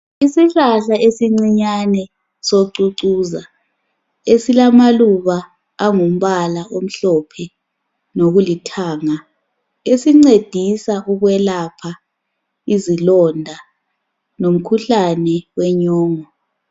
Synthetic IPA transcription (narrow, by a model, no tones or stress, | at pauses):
isiɬaɬaesiŋ͡ǀiɲanɛ | soǀuǀuːza | esilamaluβaː | ŋum̩βalaʔom̩ɬɔpʰɛ | noɣulitʰaːŋa | esiŋ͡ǀed̥ʱisaʔuɣwɛlapʰa | izilɔndʱa | nom̩kʰuɬanɛwɛɲɔːŋɔ